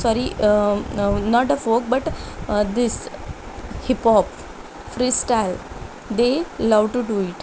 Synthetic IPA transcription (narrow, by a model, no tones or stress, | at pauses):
sɔɾi | nɔʈ̪əfoːk̚bʌʈd̪is | hipɔp | fɾisʈaɪl | d̪eəlawɖʈuɖuiʈ